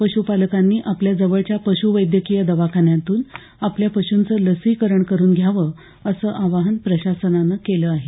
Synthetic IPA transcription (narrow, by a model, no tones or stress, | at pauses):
pəɕupaləkanːiːʔapljad͡zəʋəɭt͡ɕjapəɕuʋəjd̪jəkijəd̪əʋakʰaɳjãt̪uːn | apljapəɕunt͡səːləsikəɾəɳkəɾuːnɡʱjaʋə | əsəːʔaʋaɦənpɾəɕasənanəkeləaɦe